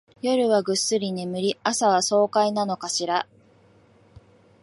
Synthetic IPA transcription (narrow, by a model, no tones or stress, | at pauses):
jo̞ɾɯ̟βaɡɯ̟sːɨɾʲinemɯ̟ɾʲiasaβ̞aso̞ːkainano̞kaɕiɾa